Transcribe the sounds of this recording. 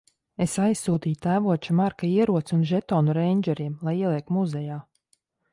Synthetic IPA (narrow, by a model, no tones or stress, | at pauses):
esajsːuːt̪iːjt̪æːvuɔt͡ʃamaɾkaiɛɾuɔt̪sunʒɛt̪ɔːnuɾɛjɲʲd͡ʒɛɾiɛmlˠajiɛlˠiɛk̚t̪muzɛjaː